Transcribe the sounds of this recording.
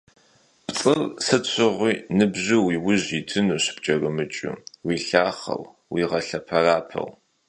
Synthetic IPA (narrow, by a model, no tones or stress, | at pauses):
pt͡sʼɨrsɨt͡ɕʷʰɨʁʷiːnɨbʑɨwiːwʊʑitʰɨnuːɕɪ̥b̥̚t͡ʃʼɐrɨmɨt͡ʃʼṵwiːɬaːχɐ̰w | wiːʁɐɬɐpʰɐraːpʰɐ̰w